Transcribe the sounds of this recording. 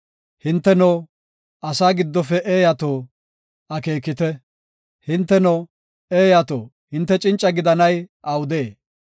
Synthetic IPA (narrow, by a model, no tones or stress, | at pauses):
hɪnt̪ːɛnɔ | ɐsaːɡɪd̪ːɔfɛʔeːjɐt̪oː | ɐkeːkːɪt̪ɛ | hɪnt̪ːɛnɔ | eːjɐt̪o̰ː | hɪnt̪ːɛt͡ʃʼɪnt͡ʃʼːɐɡɪd̪ɐnɐjʔɐwʊd̪eː